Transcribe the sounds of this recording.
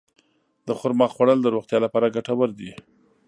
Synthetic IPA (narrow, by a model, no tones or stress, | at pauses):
d̪əxʊɾmɑχxwaɽəld̪əɾoxt̪jɑlapɑɾaɡaʈawəɾd̪i